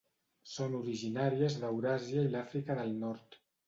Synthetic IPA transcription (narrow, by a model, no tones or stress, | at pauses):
sonuɾiʒinaɾiəzðəwɾaziailafɾikəðəlˠnɔɾt̪